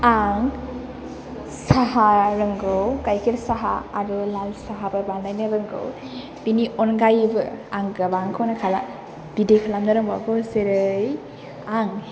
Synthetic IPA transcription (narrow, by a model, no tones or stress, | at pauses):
aŋ | saɦaɾɯŋɡɯwkajkʰiɾsaɦa̰aɾɯlalsaɦabɯbanajnɯɾɯŋɡɯ̰w | b̥iniʔɔnɡajbɯaŋɡabaŋkʰɯwnakʰala̰ | b̥idekʰalamnɯɾɯŋbabɯwseɾɯj | aŋ